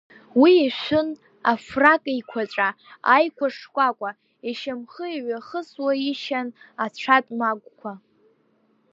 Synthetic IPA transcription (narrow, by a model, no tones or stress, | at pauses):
wiːʃʷʊn | afrakʼikʷʰat͡ʃʷʼa | ajkʷʰaʂkʷʼakʷʼa | iʃamχəiɥaχəswaiʃanat͡ɕʷʰatʼmaɡʷʼkʷʰa